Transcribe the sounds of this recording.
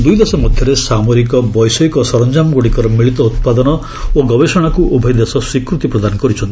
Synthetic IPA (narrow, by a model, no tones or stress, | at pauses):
d̪ujd̪esɔmɔd̪ʱjɔɾesamoɾikɔbɔjsɔjkɔsɔɾɔnd͡ʒamɔɡoɽikɔɾɔmiɭit̪ɔut̪̚pad̪ɔnɔ | oɡɔbesɔɽ̃akuʔubʱɔjd̪esɔswikɾut̪ipɾɔd̪anɔkɔɾit͡ʃʰɔnt̪i̥